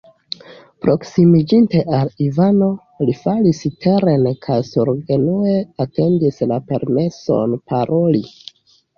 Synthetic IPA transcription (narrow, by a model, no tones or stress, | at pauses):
pɾo̞ksimid͡ʒinte̞ʔalivano̞ | lifalistʰe̞ɾenkʰajsuɾɡe̞nue̞ate̞ndislape̞ɾme̞so̞̰npʰaɾo̞li